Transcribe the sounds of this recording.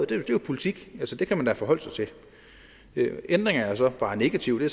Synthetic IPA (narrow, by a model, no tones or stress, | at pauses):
d̥ed̥e̝jo̝pʰo̝lit͡sʰiɡ̥ælsəd̥e̝kʰæmænd̥æfɒ̽ɦɒ̽l̰sɑ̈ɪt͡sʰe̝ | end̥ʁeŋɐɐsɒ̽b̥ɑ̈ːne̝ɡ̥æt͡sʰiʊ̰d̥e̝